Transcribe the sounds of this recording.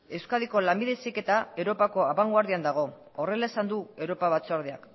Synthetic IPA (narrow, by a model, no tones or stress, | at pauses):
e̞wskaðiko̞lambiðesike̞t̪ae̞wɾo̞pako̞aβaŋɡwaɾðiand̪aɣ̞o̞ | ore̞lae̞sand̪ue̞wɾo̞paβat͡soaɾðeak